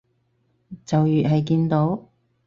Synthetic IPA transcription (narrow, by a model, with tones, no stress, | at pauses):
t͡sɐ˨wjyː˨ʔ̚ɦɐ˨jk̬iː˧nt̪o˨˥w